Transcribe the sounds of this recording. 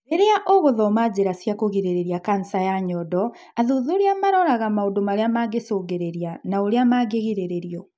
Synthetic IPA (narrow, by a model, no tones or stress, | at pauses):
eɾeaʔoɣoðɔmad͡ʑeɾasjakoɣeɾeɾeɾjakansajaɲɔːdɔ | aðuðoɾeamaɾɔɾaɣamaodomaɾeamaɡesoːɣeɾeɾianaoɾeamaɡeɣiɾeɾeɾiɔ